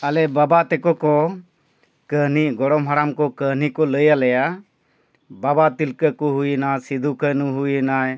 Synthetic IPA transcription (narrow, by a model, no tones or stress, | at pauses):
alɛbabat̪ɛkɔkɔ | kəɦniɡɔɽɔmɦaɽamkɔkəɦnikɔləjalɛja | babat̪ilkəkɔɦujinasid̪ʱukənuɦujənaj